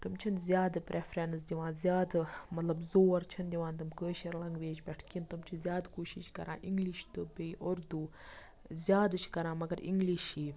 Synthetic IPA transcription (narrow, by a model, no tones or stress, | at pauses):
t̪ɨmt͡ʃʰinzʲjaːd̪pɾʔefɾeːns̬d̪ʲiʋãːnzjaːd̪mɐt̪lɐbzoːɐɾt͡ʃʰɐnd̪ʲiʋãːnt̪ɨmkəːʃɐɾlɐŋɡʋeːd͡ʒbʲɐʈʰkint̪ɨmt͡ʃʰizʲjaːd̪koːʃiʃkɐ̰ɾã̰ːʔiŋɡliʃt̪ɨbəjʔoɾd̪u | zʲjaːd̪ʃʰkɐɾãːmɐɡɐɾḭŋɡliʃiː